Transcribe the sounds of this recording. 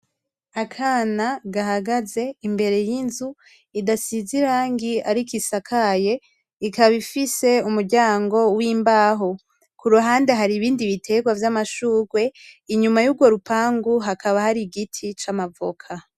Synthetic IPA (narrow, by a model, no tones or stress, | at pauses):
akʰanaɡaɦaɡaze̞imbe̞ɾe̞jinzu | idasiziɾaːŋɡiaɾikisakʰaje̞ | ikaβifise̞umuɾɟaːŋɡo̞wiːmbaːɦo | kuɾuɦaːnde̞ɦaɾiβiːndiβitʰe̞ɡwavjamaʃuːɡwe̞iɲumajuːɡwo̞ɾupaːŋɡuɦakʰaβahaɾiɡitʰit͡ʃamavo̰kʰa